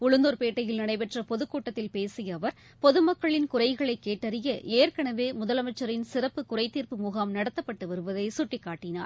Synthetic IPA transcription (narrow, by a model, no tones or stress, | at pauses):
ʊɻʊnd̪oːɾpeːʈːɐjɪlnɪɳɐɪpɛʈrɐpɔðɯkːuːʈːɐt̪ːɪlpeːsɪjɐːʋɐɾ | pɔðɯmɐkːɐɭɪnkʊrɐɪɣɐɭɐɪkːeːʈːɐɾɪjɐʔeːɾkɐɳɐʋeːmʊðɐlɐmɐɪt͡ʃːɐɾɪnsɪrɐpːɯkʊrɐɪt̪ːiːrpɯmuːɣaːmnɐɽɐt̪ːɐpːɐʈːɯʋɐɾɯʋɐðɐɪsʊʈːɪkːaːʈːɪna̰ːɾ